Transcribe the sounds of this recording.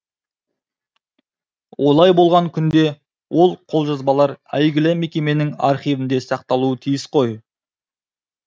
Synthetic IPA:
wʔo̞lˠɑjbo̞lˠʁɑŋkʲʰʏnd̪e̞ | wʔo̞lˠqʰo̞lˠʒɑzbɑlˠɑɾæ̰jɡʲɪlɪme̞kʲe̞me̞nɪŋɑ̰ɾχijvɪnd̪e̞sɑqt̪ɑlˠuət̪ʰijɪsqʰo̞j

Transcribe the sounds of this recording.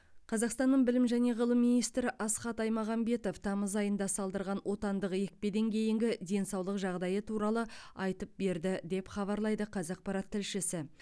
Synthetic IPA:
qʰɑzɑqst̪ɑnːəɴbɪlɪmʒæne̞ʁəlˠəmːinijst̪ɾɪʔɑsχɑt̪ɑjmɑʁɑmbe̞t̪o̞ft̪ʰɑməzɑjənd̪ɑsɑlˠd̪əɾʁɑnwʔo̞t̪ɑnd̪əqje̞k̚pe̞d̪e̞ŋkʲʰe̞jɪŋɡʲɪd̪e̞nsɑwlˠəqʒɑʁd̪ɑjət̪ʰuɾɑlˠəɑjt̪əp̚be̞ɾd̪ɪd̪e̞pχɑβɑɾlˠɑjd̪əqʰɑzɑq̚pɑɾɑt̪ʰːɪlʃɪsɪ

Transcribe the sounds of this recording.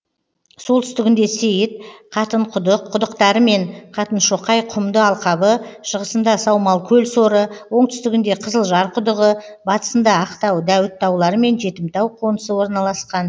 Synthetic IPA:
solˠt̪ʏst̪ɪɡʲɪnd̪e̞sejɪt̪̚qʰɑt̪əɴqʰʊd̪əqʰːʊd̪əqt̪ɑɾəme̞ɴqʰɑt̪ənʃo̞qɑjqʰʊmd̪əɑlˠqɑbəʃəʁəsənd̪ɑsɑwmɑlˠkʲʰɵlso̞ɾəwo̞ɴt̪ʰʏst̪ɪɡʲɪnd̪e̞qʰəzəlˠʒɑɾqʰʊd̪əʁə | bɑt̪ə̥sənd̪ɑːqt̪ɑwd̪æwɪt̪ːɑwlˠɑɾəme̞nʒe̞t̪ɪmt̪ɑwqʰo̞nəsəwo̞ɾnɑlˠɑsqɑn

